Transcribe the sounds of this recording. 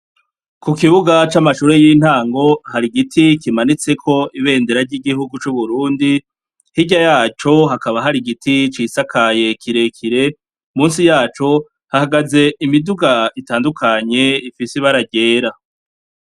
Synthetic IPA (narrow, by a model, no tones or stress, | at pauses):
kukiβuɡat͡ʃamaʃuːɾe̞jiːn̥haːŋɡo̞haɾiɡitʰikimanit͡se̞kʰo̞ʔiβe̞ːndeɾaɾɟiɡihuɡut͡ʃuβuɾuːndi | hiɟajaːt͡ʃo̞ɦakaβaɦaɾiɡitit͡ʃisakaje̞kiɾe̞kʰiɾe̞ | muːnsijaːt͡ʃo̞ | hahaɡaze̞imiduɡaitaːndukʰaɲe̞ifisiβaɾaɟe̞ːɾa